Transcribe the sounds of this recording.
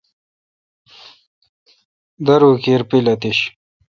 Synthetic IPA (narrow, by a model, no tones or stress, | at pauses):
d̪ɐɾuːkiːɾpilɐt̪iɕ